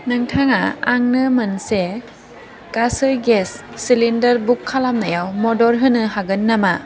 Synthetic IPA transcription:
nɯŋtʰaŋa̰aŋnɯmɯnse | kasɯjɡesːilindɐɾbukʰːalamnajawmɔdɔɾɦɯnɯɦaɡɯnːama

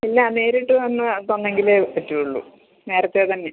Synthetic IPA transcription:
ilːɐne̞ːɾiʈːɨt̪ɐnːɨt̪ɐnːe̞ŋɡilepɐtːijuɭːṵ | ne̞ːɾɐt̪ːeːt̪ɐnːe

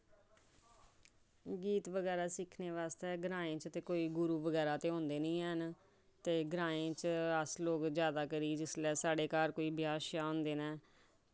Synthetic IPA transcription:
ɡiːt̪ʋəɡɛːɾaːsɪkʰneːʋaːst̪eɛːɡɾãːẽːt͡ʃt̪eːkoːiːɡʊɾuːʋəɡɛːɾaːt̪eːɦõːnd̪eːnĩːən | t̪eːɡɾaːẽːt͡ʃəsloːkzjaːd̪aːkəɾiːd͡ʒɪslɛːsaːɖeːkaːɾkoːiːbɪjaːʃjaːõːnd̪eːnɛː

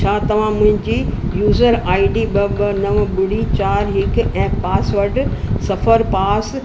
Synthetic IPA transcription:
t͡ɕʰaːt̪ɐʋ̤ãmʊ̃ɦɪ̃ɲd͡ʑiːjuːzəɾaːiɖiɓɐbɐnɐʋɓʊɽit͡ɕaːɾɦɪkɛ̃ːpaːsʋɐɾɖsɐfəɾpaːs

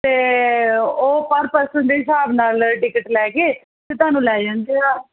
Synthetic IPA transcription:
t̪eː | oːpəɾpəsənd̪eːɦɪsaːbnaːlʈɪkəʈlɛːkeː | t̪eːt̪ʊaːnũːlɛːd͡ʒãːnd̪eːaː

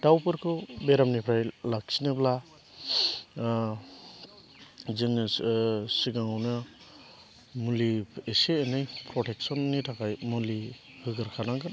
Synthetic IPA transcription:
dawpɯɾkʰɯbeɾamnipʰɾajlak̚sinɯbla | zɯŋ | siɡaŋawnɯ | mulieseenɯjpʰɾɔtʰek̚sɔnːitʰakʰajmuli | hɯɡɯɾkʰanaŋɡɯn

